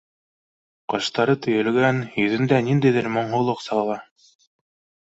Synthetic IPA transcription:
qɤ̆ʃt̪ɑɾɤt̪ɵ̆jɘ̆lɡænjɵ̆ðɘ̆nd̪ænind̪æjðɘɾmŏɴɦŭlˠɤqsɑlˠɑlˠɑ

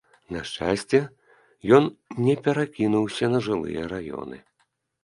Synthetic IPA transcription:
naʂt͡ʂa̰sʲt͡sʲɛ | jɔnnʲɛpʲɛɾakʲinuwsʲɐnɐʐɨlˠɨ̰jɛɾajɔ̰nɨ̰

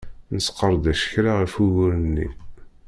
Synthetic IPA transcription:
nəsqːəɾˤd̪æʃə̥çɾaʁəfuwʊɾənːḭ

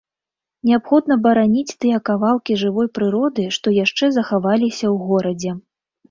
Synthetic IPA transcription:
nʲɛapxɔd̪nɐbɐɾanʲit͡sʲt̪ɨjɛkavalˠkʲiʐɨvɔjpɾɨɾɔd̪ɨʂt̪ɔjaʂt͡ʂɛzɐxavalʲisʲɐwɣɔɾɐd͡zʲɛ

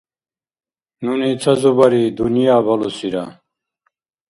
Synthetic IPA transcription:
nuniːt͡sʰɐzubɐɾid̪unijaːbɐlusiɾa̰

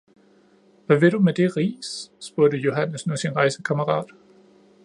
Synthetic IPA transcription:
ʋæʋe̝ɾ̥umed̥e̝ʁḭːsːb̥uɐɾ̥əjo̝ɦænəsnusinʁɑ̈ɪsəkʰæməʁɑ̰̈ːd̥

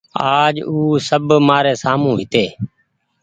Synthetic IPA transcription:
aːd͡ʒuːsəbmaːɾeːsaːmũːɦɪt̪eː

